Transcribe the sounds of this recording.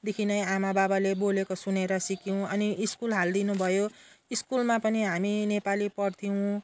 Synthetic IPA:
d̪ekʰinʌjamababalebolekosuneɾʌsikiw̃ʌniʔiskulɦald̪inubʱʌjo | iskulmapʌniɦaminepalipʌrt̪ʰiw̃

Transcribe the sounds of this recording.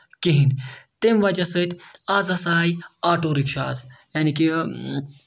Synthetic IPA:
kiɦint̪emʋɐd͡ʒɐsət̪ʲʰazɐsaːjaːʈoɾikʃa̰ːzjaːniki

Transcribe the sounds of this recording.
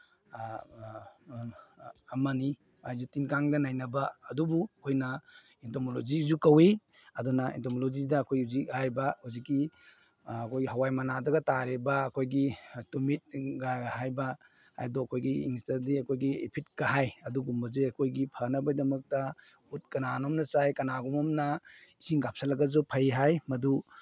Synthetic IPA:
mɐni | ajzutinkaŋdɐnajnɐbɐːdubukʰojnɐ | intomolozizukɐwe | ɐdunɐḭntomolozidɐːkʰojuzihajbahuzikːi | ɐkʰojɡiɦawajmanadɐɡɐtaɾebɐːkʰojɡitumit̚ɡaɡɦajba | ha̰jdɔɐkʰojɡiḭŋstadiɐkʰojɡiḛpʰit̚ɡ̥aɦajɐduɡumbɐzeɐkʰojɡipʰɐnɐbɐjdɐmɐk̚tɐ | ut̚kɐnanomnɐt͡ʃajkɐnaɡumɐmnɐisiŋɡap̚salɐɡɐzupʰajɦajmɐdu

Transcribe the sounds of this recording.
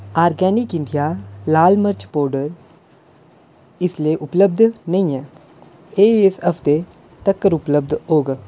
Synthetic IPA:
aːɾɡɛːnɪkɪ̃ɳɖijalaːlməɾt͡ʃpoːɾɖəɾ | ɪslieʔʊpləb̚d̪ʱnɐɦĩɦɛː | eːɪsɐft̪e | t̪ɐkːəɾʊpləb̚d̪ʱɦoːɡa

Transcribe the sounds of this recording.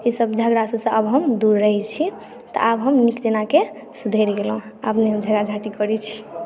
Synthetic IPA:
isəbd͡ʒʱəɡɾasəbsə̃əbɦəmd̪uɾːəɦɛt͡ʃʰi | t̪ɔ̰ʔabɦəmnikd͡ʒenake | sud̪ʱeɾɡelɦũəpneɦəmd͡ʒʱəɡad͡ʒʱaʈikəɾit͡ʃʰi̥

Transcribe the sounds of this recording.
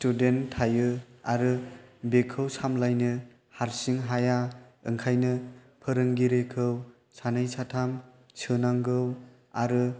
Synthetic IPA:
studentʰːajɯaɾɯbekʰɯwsamlajnɯ | haɾsiŋɦajaɯŋkʰajnɯ | pʰɯɾɯŋɡiɾekʰɯw | sanɯjsatʰam | sʰɯnaŋɡɯw | aɾɯ

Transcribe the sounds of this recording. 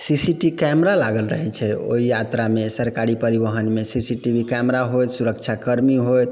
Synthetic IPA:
sisiʈikɛmɾalaɡəlɾəɦɛt͡ʃʰɛo̰ɦijat̪ɾamesəɾkaɾipəɾibəɦənmesisiʈibʱikɛmɾaɦoj̪suɾəkt͡ʃʰakəɾmiɦojt̪

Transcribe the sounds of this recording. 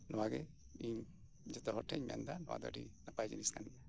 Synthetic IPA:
nɔwaɡɛ | iɲ | d͡ʒɛt̪ɔɦɔʈʰɛɲmɛ̰nd̪anɔwa̰d̪ɔ̰ɖinapajd͡ʒiniskaniɲa

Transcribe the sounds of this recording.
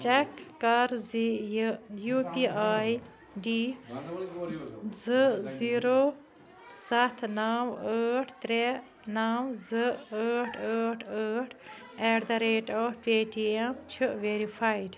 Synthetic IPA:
t͡ʃɛkːɐɾzi | jupiaːj | ɖi | zɨziːɾoː | sɐt̪ʰnawəːʈʰt̪ɾe | nawzɨəːʈʰəːʈʰəːʈʰ | ɛːɽd̪ɐɾeːʈɔːpeːʈiemt͡ʃʰɨʔʋeːɾifʰaiɖ

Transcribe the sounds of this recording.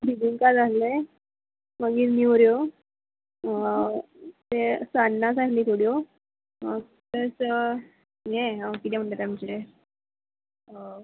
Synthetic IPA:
bid̪iŋkad͡zale | məɡiːɾniʋɾjo | t̪esanːasakliːt̪ʰoɽjo | ə | təs | jeəkit̪ʰɛ̃m̤əɳʈat̪jamt͡ɕe

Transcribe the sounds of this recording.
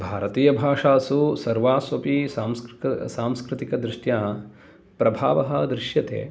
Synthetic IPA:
bʱaːɾɐt̪iːjɐbʱaːʂaːsusɐɾʋaːsʋɐpisaːmssaːmskɾɪt̪ikɐd̪ɾɪʂjaː | pɾɐbʱaːʋɐɦɐd̪ɾɪʃjɐt̪ḛː

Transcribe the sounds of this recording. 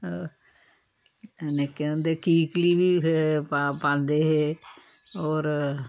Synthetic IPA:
nekẽnd̪eːkiːkliːbiːpapãːnd̪eːɦeː | oːɾ

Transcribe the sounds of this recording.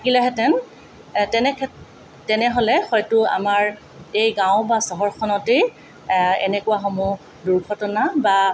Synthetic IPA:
takilɛɦɛtɛn | tɛnɛkʰɛ | tɛnɛɦolɛxɔjtʊa̰maɹ | ejɡãʊ̃basɔɦɔɹkʰɔnɔte | ɛ̰nɛkʊwaxɔmu | duɹɡʱɔtɔnaba

